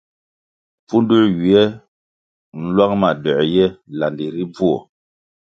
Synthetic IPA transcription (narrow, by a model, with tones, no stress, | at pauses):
fu˦ndu˦ɥi˨ɛ˦ | n̩˦lwa˦ŋma˨dɔ˨jɛ˦la˨ndi˨ɾi˦b͡vu˦o˨